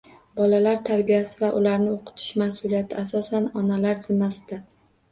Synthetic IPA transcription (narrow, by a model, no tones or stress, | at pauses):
bɒlalaɾt̪ʰaɾbijasɪvaʔʊlaɾnɪoqʰʊ̥t̪ʰɪ̥ʃmasʊlijat̪ʰɪasɒsanɒnalaɾzɪnːasɪd̪a